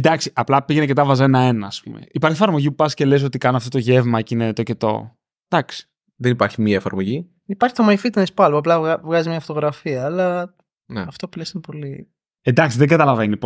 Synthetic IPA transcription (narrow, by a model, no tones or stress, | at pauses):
end̪ɐksiʔɐplɐpiʝe̞necet̪ɐvɐzenɐe̞nɐːspṵmḛipɐɾçiefɐɾmo̞ʝipupɐsce̞le̞s̬o̞t̪ikɐnoɐft̪ot̪oʝe̞vmɐcinet̪oce̞t̪o̞̰ | d̪̥ɐksi̥ | ðenipɐɾçimiɐefɐɾmo̞ʝi | ipɐɾçi̥t̪o̞mɐjfit̪ɐnispɐloɐplɐvɣɐzimɲɐfot̪o̞ɣɾɐfiɐːlɐ | neɐft̪opilesnpo̞li | ed̪ɐksiðeɡɐt̪ɐlɐvenip